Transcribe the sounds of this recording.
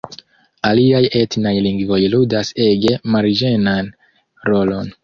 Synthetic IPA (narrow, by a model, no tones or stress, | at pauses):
aliaje̞tnajliŋɡvo̞jludase̞ɡe̞maɾd͡ʒe̞nan | ɾo̞lo̞n